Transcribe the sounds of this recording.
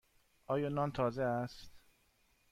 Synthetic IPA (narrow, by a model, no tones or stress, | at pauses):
ʔɒːjɒːnɒnt̪ʰɒːzeæst̪